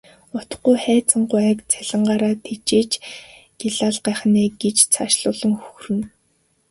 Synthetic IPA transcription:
ʊt̪̆χɡujχæːt͡sə̆ɴɢʊæːkt͡sʰæɮ̥ɪ̆ɴɢaːɾaːt̪ʰet͡ɕeːt͡ɕ | ɡ̥eɮaːɮɢæːχneːɡet͡ɕt͡sʰaʃɮʊːɮə̆ŋxuxrɘ̆n

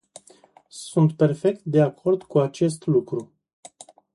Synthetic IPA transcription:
sunt̪pe̞rfe̞k̚t̪̚d̪e̞akʰo̞rd̪kuat͡ʃe̞st̪lukɾu

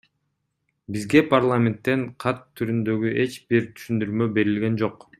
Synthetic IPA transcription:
bizɡe̞parlˠamʲe̞nt̪ːe̞ɴqʰɑt̪ʰːyɾynd̪ø̞ɡyʔe̞t͡ʃbiɾt̪ʰy̥ʃynd̪yɾmø̞be̞ɾilɡe̞nd͡ʒo̞q

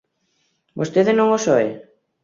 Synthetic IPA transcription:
bost̪eðɪnõŋosoḛ

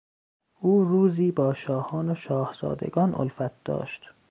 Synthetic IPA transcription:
ʔuːɾuːziːbɒːʃɒːhɒːnoʃɒːhz̥ɒ̰ːd̪ḛɡɒːnʔo̰lfæt̪̚d̪̥ɒ̰ːʃt̪

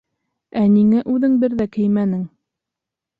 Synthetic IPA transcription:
æniŋæʔʉðɘŋbɘɾðækɘ̆jmænɘŋ

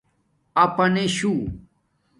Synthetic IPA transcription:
ɐpɐneɕu

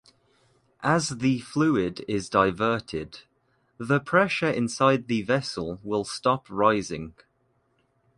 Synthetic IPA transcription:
ʔəzðəflʉːɪdɪzdaɪvɜˑtʰɪd | ðəpʰɹ̥ɛʃəɹɪ̃nsaɪd̪̚ðəvɛsəlˠwɪlˠstɒpʰɹaɪzɪ̰̃ŋ

